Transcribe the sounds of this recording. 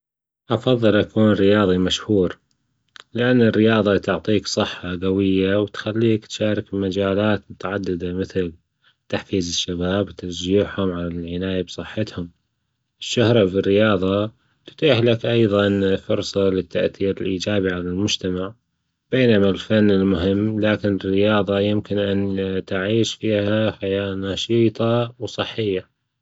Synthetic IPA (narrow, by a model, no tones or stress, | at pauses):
ʔɑfɑðˤːɨlʔakuːnrɪjɑːðˤimaʃhuːɾ | lɪʔanːɪrːɪjɑːðˤɑt̪ʊʕt̪ˤiːksˤɨħːaɡawɪjːawt̪xalːiːkt̪ʃaːɾˤɪkmad͡ʒaːlaːt̪mʊt̪aʕad̪ːɪd̪amɪθɪl | t̪aħfiːzɪʃːabaːbwt̪aɾˤd͡ʒiːħhʊmʕalalʕɪnaːjabsˤɨħːɪt̪hʊm | ʔɪʃːʊhɾˤɑfirːɪjɑːðˤɑ | t̪ʊ̥t̪ˤiːħlakʔɑjðˤɑnfʊɾsˤɑlɪt̪ːaʔθiːɾɪlʔiːd͡ʒaːbiʕalalmʊd͡ʒt̪amaʕ | b̥eːnamalfanːɪlmʊɦɪmːlaːkɪnɪrːɪjɑːðˤɑjɪmkɪnʔant̪ɪʕiːʃfiːhaħajaːʔnɑːʃiːt̪ˤɑwsˤɨħːɪjːa